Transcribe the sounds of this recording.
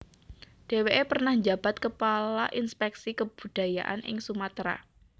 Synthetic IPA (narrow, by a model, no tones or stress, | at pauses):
d̥eweʔepərnahɲd͡ʒab̥a̤t̪kəpalaʔinspɛksikəb̥ud̥a̤ja̰ʔa̰nʔɪ̰ŋsumat̪ɾa̰